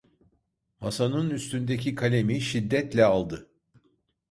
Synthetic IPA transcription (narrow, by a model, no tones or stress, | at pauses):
masanɯnyst̪ynd̪ecʰikʰalʲemiʃid̪ːɛt̪lʲɛalˠd̪ɯ